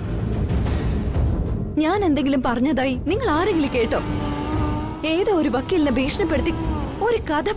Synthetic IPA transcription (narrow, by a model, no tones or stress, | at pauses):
ɲaːne̞nd̪e̞ŋɡilumpɐrɐɲːɐðaːjiniŋːɐɭaːɾe̞ŋɡilke̞ːʈːo̞ː | eːðoːoɾubɐkːilinɨbʱeːʂɐnɐpːe̞ɽut̪ːio̞ɾukɐd̪ɐ